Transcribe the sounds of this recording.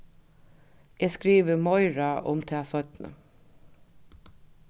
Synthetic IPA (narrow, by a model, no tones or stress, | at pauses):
eːskɾiːʋəmɔʏɹaʔʊ̰mt̪ʰɛːsɔt̪nə̰